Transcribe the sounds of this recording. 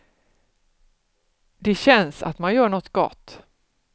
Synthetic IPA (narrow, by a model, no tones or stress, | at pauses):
d̪ɛɕɛnsa̰t̪manjœːɳɔt̪ːɡ̥ɔ̰t̪ː